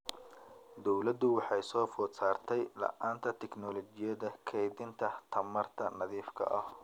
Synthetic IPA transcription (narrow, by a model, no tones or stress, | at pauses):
d̪ɔwlɐd̪ʊwɑħɑjsɔːfɔːt̪saːrt̪ʰɛjlɐ̰ʔaːnt̪ʰɐt̪ʰɛknɔlɔt͡ʃɪjɐðɐkʰɛjðɪnt̪ʰɐt̪ʰɐmɐrt̪ʰɐnɐðiːfkʰɐ̰ʔɐh